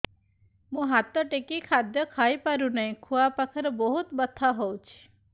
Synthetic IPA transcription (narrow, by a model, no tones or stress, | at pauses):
mũɦat̪ɔʈekikʰad̪jɔkʰajpaɾunɔj̃kʰuapakʰɔɾɔbɔɦut̪bət̪ʰːaɦɔwt͡ʃʰi̥